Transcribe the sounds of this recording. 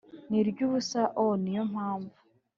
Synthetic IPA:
niɾɟuβusaʔonijom̥haːɱvu̥

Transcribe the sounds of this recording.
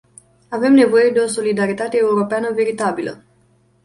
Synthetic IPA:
ave̞mne̞vo̞je̞d̪e̞o̞so̞lid̪aɾit̪at̪eːuɾo̞peanəve̞ɾit̪abilə̰

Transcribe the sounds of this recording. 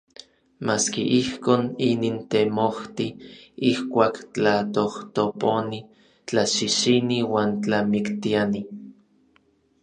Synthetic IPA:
maːskiʔihkoːninint̪emoht̪iihkʷaːkt͡ɬat̪oht̪oponi | t͡ɬaʃiʃiniwaːnt͡ɬamikt̪iani

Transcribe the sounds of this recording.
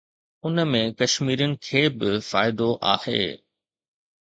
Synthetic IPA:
ʊnəmẽkɐʃmiːɾənɪ̆kʰeːbɪfaːɪd̪oʔa̰ːhḛː

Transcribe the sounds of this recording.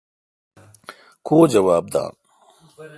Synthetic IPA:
kʰoːd͡ʑɐwaːb̚d̪ã̰ːn

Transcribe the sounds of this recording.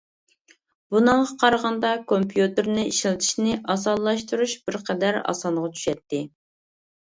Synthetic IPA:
b̥unɨŋʁɑqʰɑɾʁɑnd̪ɑkʰompʰjut̪ɨɾnɪiʃilɪt̪ʰi̥ʃnɪʔɑsɑlˠːɑʃt̪uɾuʃbɪɾqʰɛd̪æɾɑ̰sɑnʁɑt͡ʃʰy̥ʃɛt̪ʰːɪ

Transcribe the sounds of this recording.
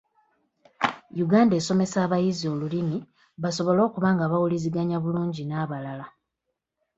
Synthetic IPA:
juɡaːnde̞ːso̞me̞saːβajizio̞ːlulimi | βaso̞βo̞lo̞ːkuβaːŋɡaβawuliziɡaɲaβuluːɲɟinaːβalala

